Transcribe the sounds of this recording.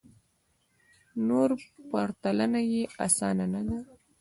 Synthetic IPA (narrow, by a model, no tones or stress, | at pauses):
noɾpaɾt̪alanajeasɑnanad̪a